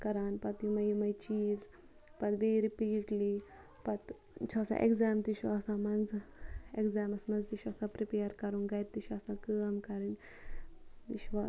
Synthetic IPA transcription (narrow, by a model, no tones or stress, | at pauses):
kɐɾaːnpɐt̪jimɐjimɐjt͡ʃiːz | pɐt̪beːɾipiːʈliː | pɐt̪ | t͡ʃʰoːsã̰ːʔḛɡzaːmt̪iʃaːsãːmɐnzekzaːmɐsmɐnzt̪iʃɐsãːpɾipeːɾkɐɾuŋɡɐjɾt̪iʃɐsãːkəːɐmkɐɾinʲ | t̪iʃʋa